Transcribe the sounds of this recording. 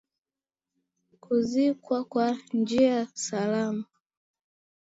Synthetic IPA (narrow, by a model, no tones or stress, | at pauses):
kʰuzikwakwand͡ʒiasalama